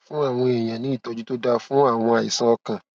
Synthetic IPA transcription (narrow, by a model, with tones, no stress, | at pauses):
fũ˦a˦˨w̃ɔ̃˧e˨j̃ã˨nĩ˨˦i˦˨tɔ˨˧d͡ʒu˦to˦da˧fũ˦a˦˨w̃ɔ̃˧a˨ji˨sã˦ɔ˧kã˨